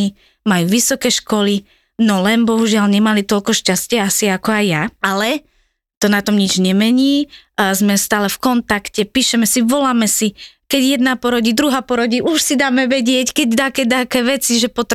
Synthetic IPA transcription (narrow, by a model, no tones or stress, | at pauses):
i | majuːʋisɔkɛːʃkɔli | nɔlɛnbɔɦuʒɪalɲɛmalit̪ɔlkɔʃcascɪɛasiakɔajjaalɛ | t̪ɔnat̪ɔmɲid͡ʒɲɛmɛɲiːzmɛst̪aːlɛfkɔnt̪akcɛpiːʃɛmɛsiʋɔlaːmɛsikɛɟjɛd̪naːpɔɾɔɟiːd̪ɾuɦaːpɔɾɔɟiːʔuʃsid̪aːmɛʋɛɟɪɛckɛɟd̪akɛd̪akɛːʋɛt͡siʒɛpɔt̪